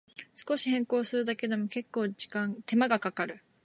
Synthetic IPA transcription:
sɨ̥ko̞ɕihẽ̞ŋko̞ːsɨɾɯ̟d̪ake̞d̪o̞mo̞ke̞kːo̞ːd͡ʑikãŋt̪e̞maɡakakaɾɯ̟

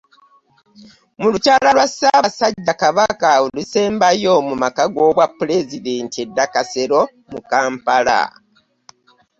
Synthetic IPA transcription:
mulucaːlalwasaβasaɟːakaβakaulise̞ːmbajo̞mumakaɡo̞βwapːule̞zide̞ntie̞dːakase̞ɾo̞ | mukaːmpala̰

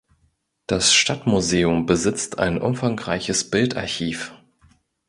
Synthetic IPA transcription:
d̥asʃtatmuzeːʊmbəzɪt͡stʰa̰ɪnʔʊ̰mfaŋʁaɪçəsb̥ɪlta̰ɐçiːf

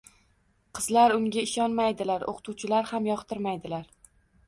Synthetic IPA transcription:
qʰɨzlaɾʊŋɡʲaɪʃɒnmajd̪ɪlaɾo̰qʰt̪ʰuwt͡ʃʰɪlaɾhamjɒqt̪ʰɪɾmajd̪ɪlaɾ

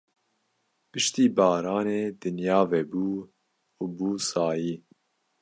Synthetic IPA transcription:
pɨʃt̪iːbɑːɾɑːneːd̪ɨnjɑːvɛbuː | ubuːsɑːjiː

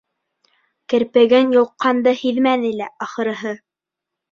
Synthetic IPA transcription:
kɘ̆ɾpɘ̆ɡɘnjŏlˠqːɑnd̪ɤhiðmænɘ̆læʔɑχɤ̆ɾɤ̆ɦɤ

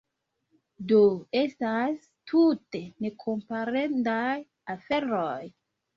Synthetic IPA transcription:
doe̞stas | tʰute̞ne̞kʰo̞mpaɾendaj | afe̞ɾoj

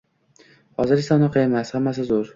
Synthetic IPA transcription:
hɒzɪɾɪsɒnɪqʰɨjemast̪hamːas̬ɪzʊɾ

